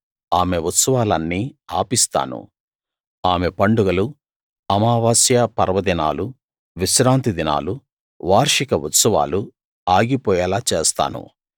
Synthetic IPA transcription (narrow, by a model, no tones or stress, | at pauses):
aːme̞ut̪sɐʋaːlɐnːiːa̰ːpist̪a̰ːnṵ | aːmepɐɳɖuɡɐlu | ɐmaːʋaːsjɐpɐ̰ɾɐʋɐd̪ina̰ːlu | ʋiʃɾaːnt̪id̪ina̰ːlu | ʋaːɾʂikɐwut̪sɐʋa̰ːlu | aːɡipɔːjɐlaːt͡ʃeːst̪a̰ːnṵ